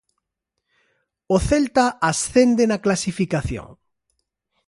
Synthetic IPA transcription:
oθelt̪aasθend̪enaklasifikaθjo̰ŋ

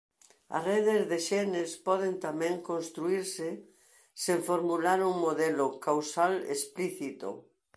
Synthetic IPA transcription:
a̰reðezðeʃɛnespɔð̞ent̪amɛ̃ŋkõnst̪ɾuiɾsɪ | seɱfoɾmulaɾuŋmoðɛlokawsalḛspliθit̪o̰

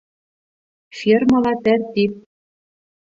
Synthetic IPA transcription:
fʲirmɤ̆lɑt̪ært̪ip̪̚

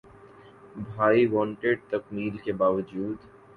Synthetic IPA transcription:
bʱaːiʋɔ̃ːɳʈeɖ̚t̪ɐkmiːlkebaːʋəd͡ʒuːd̪

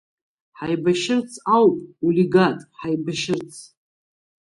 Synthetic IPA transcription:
ħajbaʃɪrt͡sʰawpʼuliɡatʼħajbaʃɪrt͡sʰ

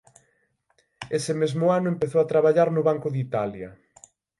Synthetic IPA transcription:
esɪmezmʊanʊempeθowat̪ɾaβaʎaɾnʊβaŋkʊðit̪aljɐ

